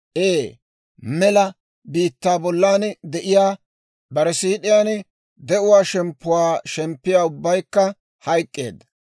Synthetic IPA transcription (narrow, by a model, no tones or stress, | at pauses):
ʔeː | mɛlɐ | biːt̪ːaːbɔlːaːnd̪ɛʔɪjaː | bɐɾɛsiːɗɪjaːn | d̪ɛʔʊwaːʃɛmpːʊwaːʃɛmpːɪjaːʊbːɐjkːɐ | hɐjkʼːe̞̰ːd̪ɐ